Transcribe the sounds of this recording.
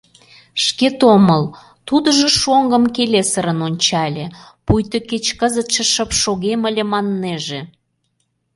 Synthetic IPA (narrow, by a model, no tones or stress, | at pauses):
ʃket̪oməl | t̪ud̪əʒeʃoŋɡəmkelesəɾənonʲt͡ɕɑlʲepujt̪oket͡ɕkəzət̪ʃĕʃəpʃoɣeməlʲemɑnːeʒe